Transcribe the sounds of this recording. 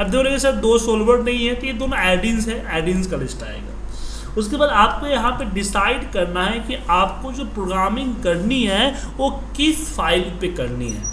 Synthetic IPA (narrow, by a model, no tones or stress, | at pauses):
ɐbd̪eoɾeɡesaːt̪d̪oːsoːlʋəɖnɐɦĩɦɛ̃t̪ojed̪oːnoɛːɖɪ̃ŋzɦɛʔɛːɖɪ̃ŋzkɐlɪsʈa̰ːḛːɡa̰ː | ʊskebaːd̪aːp̚kojɐɦãpeɖɪsaːɪɖkɐɾnaɦɛkiaːp̚kod͡ʒoːpɾoːɡɾaːmɪ̃ŋɡkɐɾniɦɛ | ʋo | kɪsfaːɪlpekɐɾniɦɛ̰ː